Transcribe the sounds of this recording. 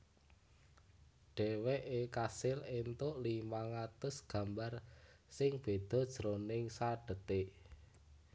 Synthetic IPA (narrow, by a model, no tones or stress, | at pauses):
ɖ̥ɛ̤weʔekasɪlent̪ʊʔlimaŋat̪ʊsɡ̥ä̤mbarsɪŋb̥e̤d̪̥ɔ̤d̥ʒ̥əɾonɪŋsaɖ̥ə̤t̪eʔ